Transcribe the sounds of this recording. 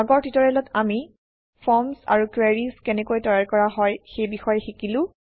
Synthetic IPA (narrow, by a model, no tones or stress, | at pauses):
aɡɔɹtitɔɹɛlɔtami | fʰɔmsa̰ɹukwɛɹiskɛnɛkojtɔjaɹkɔɹaɦɔjxejbixɔjɛxikilʊ̃